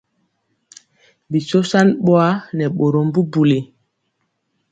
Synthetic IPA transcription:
bi˨so˦sa˦nɓo˦a˦nɛ˨ɓo˨ɾo˨mbu˦bu˨le˨

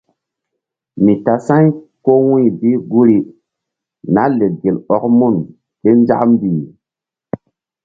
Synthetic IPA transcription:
mi˨ta˨sã˦jko˦wĩ˦˨bi˦ɡu˦ɾi˦ | na˦le˨ɡe˨lɔ˦k̚mu˦˨n | ɓe˦nd͡ʒa̰˦m˦bi˨

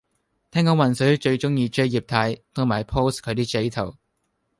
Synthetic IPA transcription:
t̪ʰɛː˥ŋkɔː˨˥wɐ˨˩nsɵ˨˥t͡ʃɵ˧ɥt͡ʃʊ˥ŋjiː˧t͡ʃɵ˥ɥjiː˨˩p̚t̪ʰɐː˨˥jt̪ʰʊ˨ŋmaː˨˩jpʰo˥wskʰɵ˨˧t̪iː˥t͡ʃe˨˥jt̪ʰɐ˨˩w

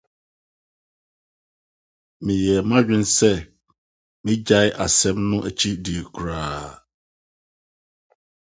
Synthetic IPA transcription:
mĩ˨jɛ˨mã˦ɥᶣɪ̃˦n˦sɛ˦ | mɪ̃˦d͡ʑa˦ʔa˨sɛ˦mnʊ̃˦ʔæ˨t͡ɕʰi˦di˨e˨kʰu˨ɾaː˨

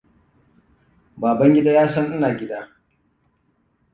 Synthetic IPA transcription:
baː˨bɐ˦ŋɡʲɪ˦daː˦jaː˦sɐ˦ŋʔɪ˦naː˨ɡʲɪ˦daː˦

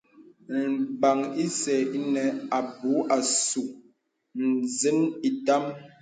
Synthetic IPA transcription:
m̩˨ba˨ŋi˦sɛ˨i˦nɛ˨a˨bu˨˦ʔa˨su˨ | n̩˨zi˦ni˨ta˦m

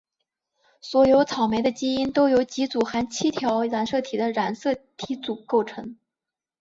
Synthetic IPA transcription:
swɔ˧˥jo˧˥ʊt͡sʰɑ˨˩ʊme˧˥ɪd̪ə˧t͡ɕi˥i˥nt̪o˥ʊjo˧˥ʊt͡ɕi˧˥t͡su˨˩xa˥˧˥nt͡ɕʰi˥t̪ʰjɑ˧˥ʊɻa˧˥nsɤ˥˩t̪ʰi˨˩d̪ə˦ɻa˧˥nsɤ˥˩t̪ʰi˧˥t͡su˨˩ko˥˩ʊʈ͡ʂʰɤ˧˥ŋ

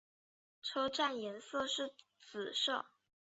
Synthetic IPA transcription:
ʈ͡ʂʰɤ˥ʊʈ͡ʂa˥˩njɛ˧˥nsɤ˥˧ʂɻ̩˥˩ | t͡sɹ̩˨˩ʂɤ˥˩

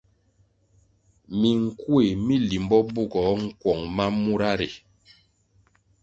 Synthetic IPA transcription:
mi˨ŋ̩˨ku˦e˨mi˦li˨mbɔ˦bo˦˨ɡɔ˨˦ŋ̩˦kwɔ˨ŋma˦mu˦ɾa˦ɾḛ˨

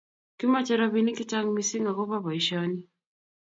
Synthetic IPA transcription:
ki˦ma˦t͡ʃɛɾaβini˦ki˦ta˦ŋmisi˦ŋa˨kɔ˦βa˦βɔ˨iʃɔni˦

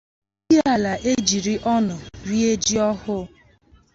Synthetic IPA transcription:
di˦a˦˨la˨ʔe˦d͡ʒi˨ɾi˦ʔɔ˦nʊ˨ɾi˦e˦d͡ʒi˦ɔ˦hʊ˦

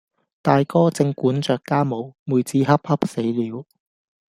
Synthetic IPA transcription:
t̪aː˨jkɔː˥t͡sɪ˧ŋkuː˨˥nt͡ʃœː˨kːaː˥mo˨˧wmuː˨˧jt͡siː˨˥ɦɐ˥p̚hɐ˥p̚se˨˥jliː˨˥w

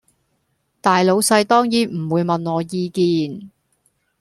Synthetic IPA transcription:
t̪aː˨jlo˨˧wsɐ˧jt̪ɔː˥ŋjiː˨˥m̩˨˩wuː˨˧jmɐ˨nŋɔː˨˧jiː˧kiː˨˧n

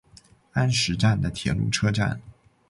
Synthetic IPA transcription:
a˥nʂɻ̩˧˥ʈ͡ʂa˥˩nd̪ə˩t̪ʰjɛ̰˨˩˥lṵ˥˩ʈ͡ʂʰɤ˥ʈ͡ʂa̰˥˩n

